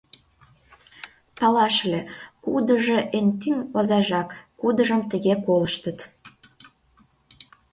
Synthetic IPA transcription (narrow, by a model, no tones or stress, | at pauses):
pɑlɑʃlʲekud̪əʒeʔent̪yŋozɑʒɑkːud̪əʒəmt̪əɣekoləʃt̪ət̪